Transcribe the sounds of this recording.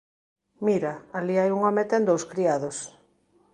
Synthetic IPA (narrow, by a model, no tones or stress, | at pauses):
miɾaaliajuŋɔmet̪ẽnd̪owskɾiaðos